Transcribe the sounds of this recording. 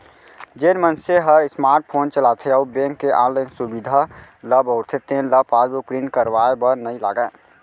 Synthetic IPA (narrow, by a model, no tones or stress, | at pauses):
d͡ʒenmənseɦəɾɪsmaːɾʈ̚pʰoːnt͡ʃəlat̪ʰeɔːbẽŋkːeʔaːnlənsubid̪ʱaləbəʊɾt̪ʰet̪ẽləpaːlbukɾinkəɾwaebəɾnəila̰ːɡəː